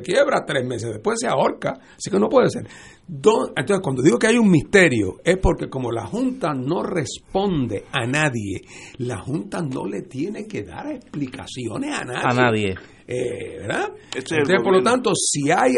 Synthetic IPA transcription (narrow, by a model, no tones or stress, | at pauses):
ekjeβɾat̪ɾesmes̬ezðehpwe̞seao̞ɾka | sike̞no̞pweðeseɾ | d̪osenonsekwand̪o̞ðiɣo̞keajuŋmist̪e̞ɾjo̞̰e̞spo̞ɾke̞ko̞mo̞la̰hunt̪ano̞re̞spõ̞nd̪e̞anaðje̞̰lahunt̪ano̞̰le̞t̪je̞ne̞ke̞ða̰ɾehplika̰sjo̞̰nesa̰na̰ðanaðje | ebḛɾðansepoɾlo̞t̪ant̪osiaj